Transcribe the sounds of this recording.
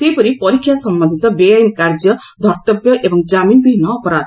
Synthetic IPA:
sepɔɾipɔɾikʰːjasɔmbãnd̪ʱit̪ɔbeajnkaɾd͡ʒjʌd̪ʱɔɾt̪ɔbjɔʔebɔŋd͡ʒaminbʱiɦinːɔːpɔɾad̪

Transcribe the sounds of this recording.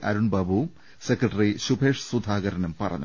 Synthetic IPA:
ʔɐ̰ɾuɳbɐbʱu | sekrɐʈɐriɕubʱeːʂsud̪ʱaːɣɐɾɐnɐmpɐrɐ̰ɲːu

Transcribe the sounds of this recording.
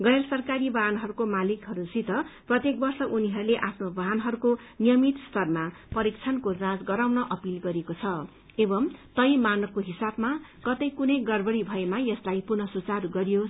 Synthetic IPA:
ɡʌjrʌsʌrkaɾibaɦanɦʌɾukomalikɦʌɾusit̪ʌprʌt̪jek̚bʌrsʌʔuniɦʌɾuleʔapʰnobʌɦanɦʌɾuko | nijʌmit̪st̪ʰʌrmapʌɾikt͡sʰʌnkod͡zãt͡sɡʌɾawnʌʔʌpilɡʌɾekot͡sʰʌ | ebʌmt̪ʌjmanʌkoɦisabmakʌt̪ʌjkunʌjɡʌrbʌɽibʱʌemajʌslajpurnʌsut͡saruɡʌɾijo

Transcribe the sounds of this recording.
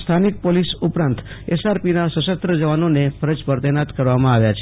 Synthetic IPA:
st̪ʰanik̚polisupɾãnt̪ | esaɾpinasəʃəst̪ɾəd͡ʒəʋanonefʰəɾəd͡ʒpəɾt̪enat̪kəɾʋamãaʋjat͡ʃʰe

